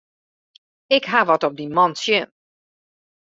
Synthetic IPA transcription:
ɪkɦaʋɔtɔp̚dimɔntsjɪn

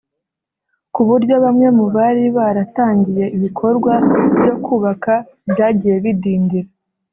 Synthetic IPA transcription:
kuβuɾɟo̞βamŋe̞muβaɾiβaɾataːɲɟije̞iβikʰo̞ɾɡwabɟo̞kuːβaka | bɟaːɟije̞βidiːndiɾa

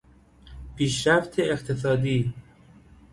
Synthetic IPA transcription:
pʰiːʃɾæft̪ʰeeqt̪ʰes̬ɒːd̪iː

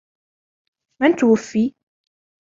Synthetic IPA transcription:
mant̪wafːi

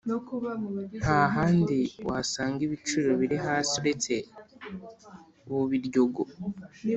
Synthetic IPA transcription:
haɦaːndiwasaːŋɡiβit͡ʃuɾoβiɾiɦasiɾete | βuβiɾɟo̞ɡo

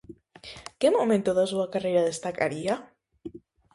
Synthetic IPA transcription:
kemomẽnt̪oðas̬uakarejɾaðest̪aka̰ɾia

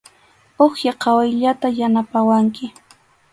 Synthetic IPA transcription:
oχjaqʰɑwajʎat̪ajanapawaŋkɪ

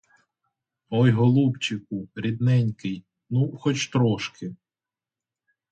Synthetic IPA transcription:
ɔjɦɔlˠupt͡ʃɪk̚ʊɾʲid̪nɛnʲkɪj | nuxɔt͡ʃt̪ɾɔʃkɪ

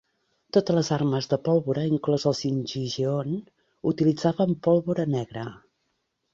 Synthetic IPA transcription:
t̪ot̪ələzarməzðəpɔlˠβuɾəiŋklɔzəlˠsinʒiʒion | ut̪ilid͡zaβəmpɔlˠβuɾənɛɣɾə

